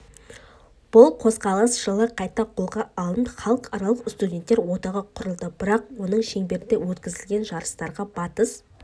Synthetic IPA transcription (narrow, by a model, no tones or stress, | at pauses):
b̥ʊlˠqʰo̞zqɑlˠəsʒ̥əlˠɑqʰɑjt̪ɑqʰolˠʁɑːlˠənd̪əχɑlˠəqɑɾɑlˠəqst̪udʲe̞nt̪ːeɾwo̞t̪ɑʁɑqʰʊɾəlˠd̪əbɪɾɑq̚wo̞nəɴʃe̞ŋbe̞ɾɪnd̪ewɵt̪kʲɪzɪlɡʲe̞nʒɑɾəst̪ɑɾʁɑbɑt̪əs